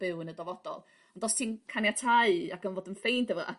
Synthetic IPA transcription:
b̥ɨwənədɔvɔd̥ɔ̰lˠ | ɔndɔstʰiːnkʰanjatʰaɨaɡ̥ənvoːdənfejndəvɔʔa̰

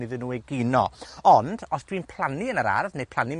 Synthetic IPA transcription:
nɪðɨnːuːɛɡɪnɔ̰ɔnd̥ɔsd̥winpʰl̥ˠaniənəɾa̰rðnejpʰlˠani

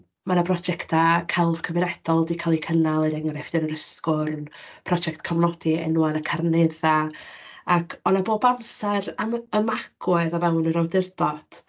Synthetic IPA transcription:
manabrɔd͡ʒɛktʰakʰɛlˠv̥kʰəvɪnɛd̥ɔlˠdikʰalˠikʰənalˠədɛŋaɾɛfdɪnəɾəskʊɾənpʰrɔd͡ʒɛktkʰamnɔd̥iɛ̰nuanakʰarneða | akʰɔnaboːbamsɛraəmaɡ̥wɔɨðavɛwnəɾawdɪrdɔd̥

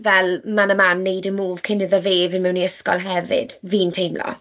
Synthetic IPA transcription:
vɛlmanəmanːejdəmuːv̥kʰɪnəðəveːvɪnmɛwniəskɔ̰lˠɦɛvɪ̰d̥viːntʰejmlɔ̰

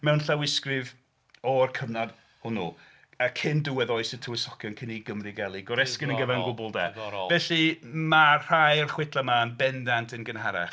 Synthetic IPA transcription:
mɛwnɬawɪskrɪv | ɔrkʰəvnad̥ | hʊnṵ | əkʰɪndʊwɛðɔjsətʰəwɪsɔkʰjɔnkʰɪniɡəmriɡɛlˠiɡɔɾɛskɪnənɡəvɛrənɡʊbʊlˠdɛ̰ːvɛɬimar̥ajrχwɪtʰlˠamanbɛndantʰənɡənɦaɾɛ̰χ

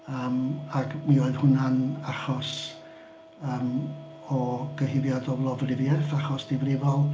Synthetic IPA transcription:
əːmakmioːɨðhʊnanaχɔs | əːm | ɔɡ̥əhɪvjadɔlˠɔvrɪvjɛθaχɔsd̥ɪvrɪvɔlˠ

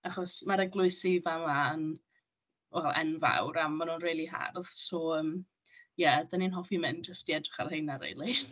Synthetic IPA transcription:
aχɔsmaɾɛɡlˠʊɨsivaman | wɛlˠɛ̰nva̰wɾamːanunriːlˠiɦa̰rð̥sɔəːm | jɛdaninɦɔfimɪnd͡ʒəstiɛdrɪχa̰rhejnaɾḛlˠi

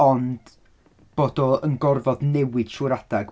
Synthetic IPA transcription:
ɔnd̥ | b̥oːdɔənɡɔrvɔdnɛwɪd̥ʃuɾad̥aɡ

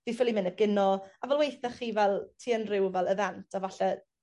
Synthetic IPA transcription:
vifɪlˠimɪnəb̚ɡɪnɔavɛlˠwejθaχːiːvɛlˠtʰiːənrɪwvɛlˠəðɛntʰavaɬɛ

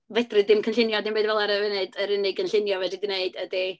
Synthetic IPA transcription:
vɛdrɨdɪmkʰənɬɪnjɔdɪmbedvɛlˠaɾəvənɨdəɾənɪɡənɬɪnjɔvɛdidineɨd̥ədi

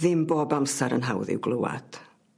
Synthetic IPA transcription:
ðɪmboːbamsaɾə̰nɦawðɪ̰wɡlˠəwa̰d̥

